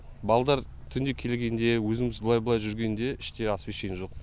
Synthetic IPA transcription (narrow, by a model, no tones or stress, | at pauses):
bɑlˠd̪ɑɾ | t̪ʰʏnd̪ekʲʰe̞lɡʲe̞nd̪e̞wɵzɪmɪzbəlˠɑjbəlˠɑjʒʏɾɡʲe̞nd̪e̞ɪʃt̪e̞ɑsvʲiʃejnʒo̞q̚